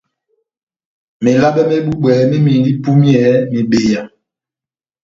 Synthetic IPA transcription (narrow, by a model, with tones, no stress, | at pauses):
me˨la˦ɓɛ˦me˦ɓu˦ɓwɛː˨mi˦mi˨li˦pu˦mjɛ˨˦mi˨ɓe˨ja˨